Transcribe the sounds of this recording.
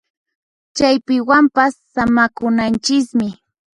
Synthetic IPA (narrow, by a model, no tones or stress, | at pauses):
t͡ʃajpɪwampasːamakʊnant͡ʃɪkmɪ